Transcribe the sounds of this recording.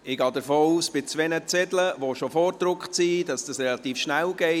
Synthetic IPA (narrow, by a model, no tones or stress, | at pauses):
ɪɡɑːdəɾfoːuːsb̥ɪt͡sʋɛnət͡sɛdləʋoʃofoːɾdɾʊkχsiːdɑsd̥ɑsrɛlɑtiːfʃnælɡ̥ɛɪ